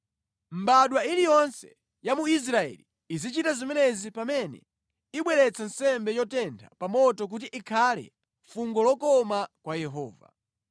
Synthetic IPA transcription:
m̩baɗwailijɔnsɛ̥ | jamuis̬ɾaɛ̰liːzit͡ʃitazimɛnɛzipamɛnɛ̰ | iɓwɛɾɛt͡sʰan̩sɛmbɛjɔtɛndʰapamɔtɔk̬ut̬iʔikʰalɛ̰ | fuŋɡɔlɔkɔmakwajɛɦɔːva̰

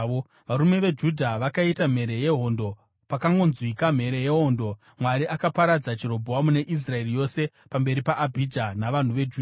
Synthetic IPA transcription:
ʋaɾume̞ʋe̞d͡ʒudʱaʋakaitam̤e̞ɾe̞je̞ɦo̞ndo̞ | pakaŋɡo̞nzwikam̤e̞ɾe̞je̞ɦo̞ndo̞ | mwaɾiʔakapaɾad͡zat͡ʃiɾo̞bʱowamune̞ʔis̬rae̞rijo̞se̞ | pambe̞ɾipaʔːbʱid͡ʒanaʋan̤uʋe̞d͡ʒud

